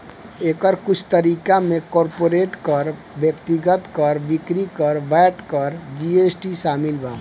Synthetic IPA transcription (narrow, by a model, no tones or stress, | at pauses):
eːkəɾkʊt͡ʃʰt̪əɾiːkamẽkɔːɾpoɾeʈkəɾ | bjəkt̪iɡət̪kəɾbikɾikəɾbɛʈkəɾd͡ʒiesʈiʃaːmilbaː